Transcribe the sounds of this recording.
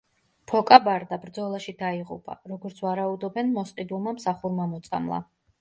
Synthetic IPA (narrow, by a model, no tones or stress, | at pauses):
pʰɔkʼabaɾd̪abɾd̪zɔlˠaʃid̪aiʁṵpʼa̰ɾɔɡɔɾt̪sʰvaɾaud̪ɔbɛnmɔsqʼid̪ulˠmamsaχuɾmamɔt̪sʼa̰mlˠa̰